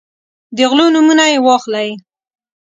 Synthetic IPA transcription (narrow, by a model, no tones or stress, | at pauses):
d̪əɣlonumunajewɑxlaj